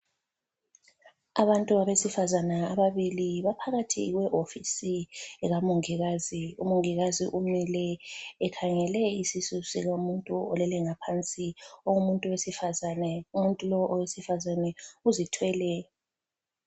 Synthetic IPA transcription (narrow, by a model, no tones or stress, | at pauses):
aβantʼuaβesifazanaːβaβiliβapʰaɣatʰḭɣwɛʔofisiɣamuŋiɣaziṵmuŋiɣazḭʔumilɛɛkʰaŋɛlɛisisusiɣomuntʼuɔlɛlɛŋapʰant͡sʼioumuntʼuwesifazanɛumuntʼulɔʔɔwesifazanɛuzitʰwɛlɛ